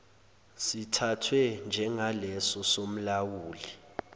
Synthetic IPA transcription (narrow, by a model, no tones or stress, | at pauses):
sitʰatʰwɛnd͡ʒʱɛŋalɛsɔsom̩lawuːli